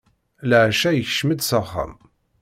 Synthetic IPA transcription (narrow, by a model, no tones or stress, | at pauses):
ləʕʃæjəçəʃməd̪səχːa̰m